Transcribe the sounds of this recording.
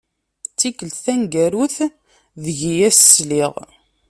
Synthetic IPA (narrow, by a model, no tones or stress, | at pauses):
t͡sːikəlt̪θænɡæɾuθ | ðəʝijæsə̥sliʁ